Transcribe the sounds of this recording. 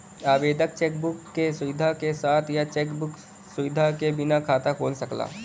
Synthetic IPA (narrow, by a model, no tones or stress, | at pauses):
aːbeːd̪ək̚t͡ʃɛːkbʊkːesʊʋɪd̪ʱakesaːt̪ʰjat͡ʃeːkbʊk | sʊʋɪd̪ʱakebɪnakʰaːt̪akoːlsəkla̰ː